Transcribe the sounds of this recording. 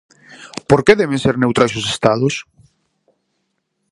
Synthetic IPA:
poɾkeðɛβẽnseɾnewt̪ɾajsʊsest̪aðʊs

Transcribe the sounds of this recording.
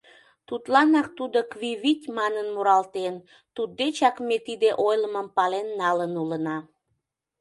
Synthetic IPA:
t̪ut̪lɑnɑk̚t̪ud̪okβiβitʲmɑnənmuɾɑlt̪en | t̪ud̪ːet͡ɕɑkmet̪id̪eʔojləməmpɑlenːɑlənulənɑ

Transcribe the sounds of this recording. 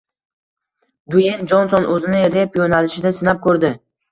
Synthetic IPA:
d̪ʊjend͡ʒɒnsɒnʔɵzɪnɪɾe̞pjonalɪʃɪd̪asɪnap̚kʰɵɾd̪ɪ

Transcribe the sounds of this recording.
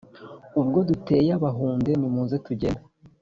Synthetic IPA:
ubɡo̞dute̞ːjaβaɦuːnde̞nimuːnze̞tuɟe̞na

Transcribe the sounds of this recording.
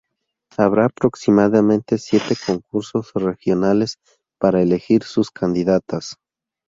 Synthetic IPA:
aβɾaːpɾo̞ksimaðamẽnt̪e̞sje̞t̪e̞ko̞ŋkuɾso̞zre̞xjo̞nale̞s | paɾaele̞xiɾsuskʰand̪iðat̪as

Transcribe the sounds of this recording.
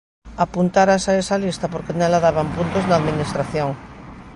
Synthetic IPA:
apunt̪aɾasaesalist̪apoɾkenɛlaðaβampunt̪oznaːðminist̪ɾaθjoŋ

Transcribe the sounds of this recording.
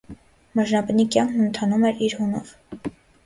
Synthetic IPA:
məʒnɑpnikjɑŋkʰnənt̪ʰɑnumɛɾiɾhunɔ̰v̥

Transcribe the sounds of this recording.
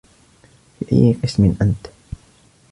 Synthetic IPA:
fiʔa̰jːqɨsmɪnʔant̪

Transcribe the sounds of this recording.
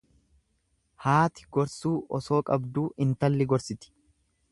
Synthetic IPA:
haːt̪ɪ̥ɡ̥ɔɾsuːʔɔso̞ːkʼɐbd̪uːʔɪnt̪ɐlːɪɡɔɾsɪt̪ɪ̥

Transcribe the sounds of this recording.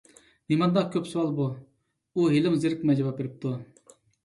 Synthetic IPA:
nimɑnd̪ɑkʲʰøpsowɑlˠbu | uɦelɪmzɪɾkʲmɛd͡ʒevɑp̚beɾɪp̚t̪ʰu

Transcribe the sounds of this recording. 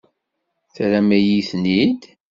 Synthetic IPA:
θɾæmæjiθnid̪

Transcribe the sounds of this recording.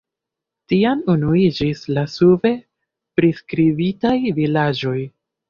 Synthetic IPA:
tianunuid͡ʒislasuve̞ | pɾiskɾivitajvilad͡ʒo̞j

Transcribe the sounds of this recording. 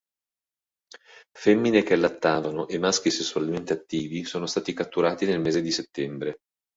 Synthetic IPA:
fɛmːinek̟ealːat̪ːaːvanoʔemːask̟isesːualment̪eat̪ːiːvisoːnost̪aːt̪ikat̪ːuɾaːt̪inelmeːzed̪iset̪ːɛmbɾe

